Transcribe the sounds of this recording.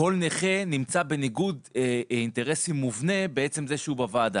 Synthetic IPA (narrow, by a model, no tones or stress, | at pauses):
o̞lneχenimt͡sabe̞niɡudinte̞ʁesimːuvne̞beet͡se̞mzeʃeubavaːd̪a